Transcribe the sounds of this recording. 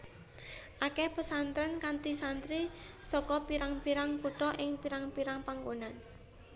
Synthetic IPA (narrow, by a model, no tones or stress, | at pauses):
ʔakɛhpəsant̪ɾənkant̪isant̪ɾisɔkɔpiɾaŋpiɾaŋkuʈ̪ɔʔɪŋpiɾaŋpiɾaŋpaŋɡonan